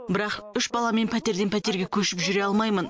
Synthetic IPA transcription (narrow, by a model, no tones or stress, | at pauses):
bɪɾɑqʏʃbɑlˠɑme̞npʰæt̪e̞ɾd̪e̞npʰæt̪e̞ɾɡʲekʲʰɵʃɪpʒʏɾe̞ɑlˠmɑjmən